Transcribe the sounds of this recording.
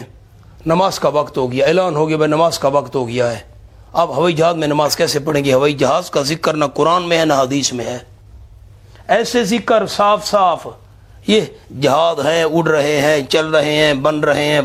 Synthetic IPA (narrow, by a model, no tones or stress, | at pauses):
nəmaːzkaʋəkt̪ɦoːɡɪjaɪːlaːnɦoːɡɪjabənəmaːzkaʋəkt̪ɦoːɡɪjaɦɛː | ɐbɦɐʋaːid͡ʒɐɦaːzmẽnəmaːzkɛːsepəɽẽːŋɡeɦəʋaːid͡ʒəɦaːzkazɪkːəɾnakʊɾaːnmẽɦɛnaɦəd̪iːsmẽɦɛː | ɛːsezɪkəɾsaːpʰsaːpʰ | jed͡ʒɐɦaːzɦɛ̃ːʊɖɾəɦeɦɛ̃ːt͡ʃəlɾəɦeɦɛ̃ːbənɾəɦeɦɛ̃ː